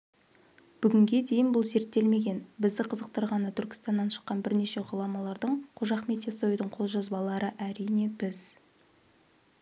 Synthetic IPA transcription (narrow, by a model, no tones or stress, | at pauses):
b̥ʏɡʲɪŋɡʲe̞d̪e̞jɪnbʊlˠze̞ɾt̪ːe̞lme̞ɡʲe̞nbɪzd̪ɪqʰəzəq̚t̪əɾʁɑnət̪ʰʏɾkʲɪ̥st̪ɑnːɑnʃə̥qːɑnbɪɾne̞ʃe̞ʁʊlˠɑmɑlˠɑɾd̪əɴqʰoʒɑχme̞t̪ʰeso̞jd̪əɴqʰo̞lˠʒɑzbɑlˠɑɾəʔæɾijne̞bɪz